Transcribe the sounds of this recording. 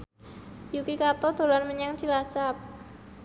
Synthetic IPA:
jukikat̪ɔd̪̥o̤lanməɲaŋt͡ʃilat͡ʃap̚

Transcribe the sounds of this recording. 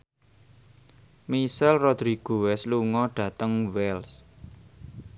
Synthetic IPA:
misalrɔd̪̥ɾiɡ̥owɛsluŋɔɖ̥ä̤t̪əŋwɛls

